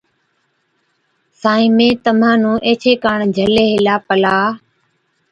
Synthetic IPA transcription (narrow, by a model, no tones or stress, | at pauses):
saːĩːmẽːt̪əm̤ãːnũːʔeːt͡ʃʰeːkaːɳd͡ʒʱəleːɦɪlaːpəlaː